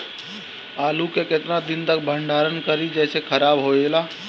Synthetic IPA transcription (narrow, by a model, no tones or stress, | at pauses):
aːlukekɪt̪nad̪ɪnt̪ək̚bʱə̃ɳɖaːɾənkəɾid͡ʒɛːsekʰəɾaːbɦoːeːlaː